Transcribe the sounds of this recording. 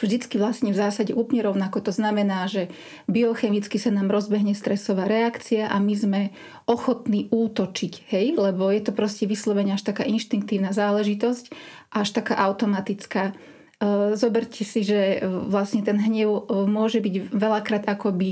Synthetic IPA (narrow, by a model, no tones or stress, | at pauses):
vʒd̪it͡skiʋlasɲɛvzaːsaɟɛʔuːpɲɛɾɔʊnakɔt̪ɔznamɛnaːʒɛ | biɔxɛmit͡skisanaːmɾɔzbɛɦɲɛst̪ɾɛsɔʋaːɾɛakt͡siaʔamizmɛ | ʔɔxɔt̪niːʔuːt̪ɔt͡ʃichɛjlɛbɔjɛt̪ɔpɾɔscɛʋislɔʋɛɲɛaʃt̪aka̰ːʔinʃt̪iŋk̚t̪iːʊnazaːlɛʒit̪ɔscʔaʃt̪akaːʔaʊt̪ɔmat̪it͡skaː | zɔbɛɾcʰɛsiʒɛʋlasɲɛt̪ɛnɦɲɛʊmʊɔʒɛbiɟʋɛlakɾaːd̪akɔbi